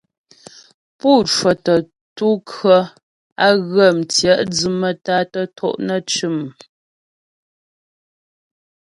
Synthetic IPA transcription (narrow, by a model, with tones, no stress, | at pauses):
puː˦˨t͡ʃwə˨tə˨ | tu˦kə˦ | a˦ɣə˦˨mtjɛ˦˨ʔd͡zɨ˨mə˦ta˦tə˦tʰɔ̰˦˨ʔnə˦˨t͡ʃʉ˦˨m˨